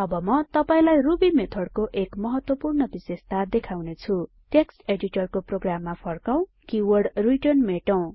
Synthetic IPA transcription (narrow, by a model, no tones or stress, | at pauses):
ʌbʌmʌt̪ʌpaĩlajrubimet̪ʰʌɽkoʔekmʌɦʌt̪wʌpurnʌbisest̪ad̪ekʰawnet͡sʰu | ʈeksʈeɖiʈʌrkoproɡramːapʰʌrkaw̃ | kiwʌrɖriʈʌnmeʈʌw̃